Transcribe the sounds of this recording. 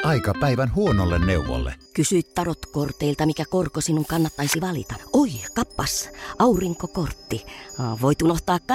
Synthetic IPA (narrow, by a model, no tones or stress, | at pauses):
ʔɑikɑpæiʋænhuonolːenneuʋo̰lːḛkysyit̪t̪ɑrot̪kort̪eilt̪ɑmikækorkosinːuŋkɑnːɑt̪ːɑisiʋɑlḭt̪ɑoikɑpːɑsɑuriŋkokort̪ːiʋoit̪unoht̪ɑːkkɑ